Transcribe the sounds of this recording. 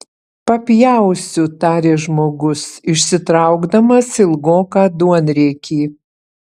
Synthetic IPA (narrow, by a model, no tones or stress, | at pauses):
pɐpʲjæˑʊsʲʊt̪ɑːɾʲeːʒmoːɡʊsɪʃʲsʲɪt̪ɾɑˑʊɡd̪ɐmɐsɪlˠɡoːkɑːd̪uɔnʲɾʲɛkʲʰiː